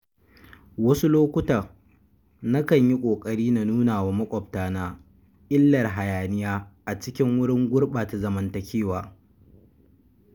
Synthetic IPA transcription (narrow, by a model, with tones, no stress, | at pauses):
wɐ˦su˦loː˦kʷʊ˦tɐ˨r | na˦kɐ˨ɲji˦kʷʼoː˨kʼɐ˦ɽiː˦na˨nuː˦naː˨waː˦mɐ˦kʷʼɔ˨btaː˨naː˦ | ʔɪ˦lːɐ˨rɦa˨jaː˨nɪ˦jaː˦ʔa˨t͡ʃɪ˦kʲɪ˦ŋwʊ˦ɽɪ˦ŋɡʷʊ˦rɓaː˨ta˨zɐ˨mɐ˨ntɐ˨kʲeː˦waː˨